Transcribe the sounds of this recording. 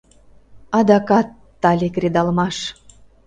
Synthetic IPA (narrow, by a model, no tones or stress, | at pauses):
ɑd̪ɑkɑt̪ːɑlʲekred̪ɑlmɑʃ